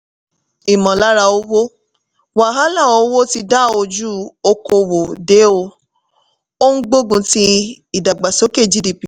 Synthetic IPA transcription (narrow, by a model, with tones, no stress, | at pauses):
i˨mɔ̃˨la˦ɾa˧o˧˦wo˦ | wa˨ɦa˦lã˦˨o˧˦wo˦ti˧da˦˨o˧d͡ʒu˦˨o˧ko˧wo˨de˨˦o˧ | o˦n̩˦ɡ͡bo˦ɡũ˧ti˧ | i˨da˨ɡ͡ba˨so˨˦ke˦˨d͡ʒi˦di˨pi˨